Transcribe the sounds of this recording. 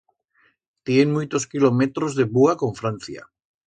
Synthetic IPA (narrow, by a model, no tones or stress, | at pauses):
t̪jenmujt̪oskilomet̪ɾozðeβuako̞ɱfɾan̟θja̰